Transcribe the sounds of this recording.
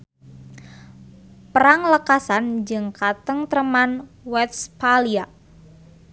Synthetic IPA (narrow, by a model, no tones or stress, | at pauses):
pəɾaŋləkasand͡ʒɨŋkat̪əŋt̪ɾəmanwɛt̪spalia